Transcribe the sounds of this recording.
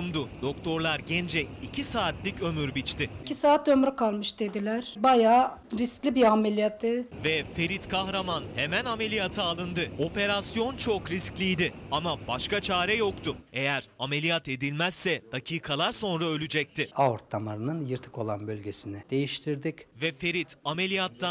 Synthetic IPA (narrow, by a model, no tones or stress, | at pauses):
umd̪ʊd̪̥o̞kt̪ʰo̞ɾlˠaɾɟɛnd͡ʒɛicʰisaːt̪lʲicø̞myɾbit͡ʃt̪ɪicʰisaːt̪ømɾykalˠmɯʃd̪e̞d̪ilʲæɾ̥bajaː | ɾisklʲibiamelʲijat̪ʰːɪvɛfe̞ɾit̪kʰaxɾamanhemæname̞lʲijat̪ʰɯalˠɯnd̪ɯo̞pe̞ɾasjo̞nt͡ʃʰo̞kɾisclʲijd̪ɪamabaʃkat͡ʃʰaːɾɛjo̞kt̪ʰʊe̞jæɾame̞lʲijat̪e̞d̪ilʲmæsːɛd̪̥acʰiːkʰalˠaɾso̞nɾaø̞lʲyd͡ʒɛc̚t̪ʰɪaoɾt̪ʰːamaɾɯnɯnjɯɾt̪ʰɯ̥ko̞lˠanbølʲɟesinɪd̪̥e̞jiʃt̪ʰiɾd̪icvɛfe̞ɾit̪ʰame̞lʲijat̪ːa